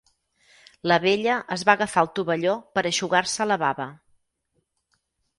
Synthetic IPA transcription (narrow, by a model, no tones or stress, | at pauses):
ləβeʎəʔəzβaɣəfalˠt̪uβəʎopəɾəʃuɣaɾsələβaβə